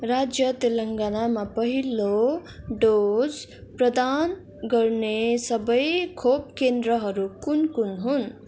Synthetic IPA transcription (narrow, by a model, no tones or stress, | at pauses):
rad͡zjʌt̪elʌŋɡanamapʌɦiloɖod͡zprʌd̪an | ɡʌrnesʌbʌjkʰopkend̪ɾʌɦʌɾukunkunɦun